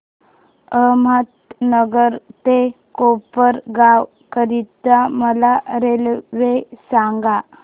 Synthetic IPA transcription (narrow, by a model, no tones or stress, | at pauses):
əmat̪nəɡəɾt̪ekopəɾɡaw | kəɾit̪aməlaɾelʋesaŋɡa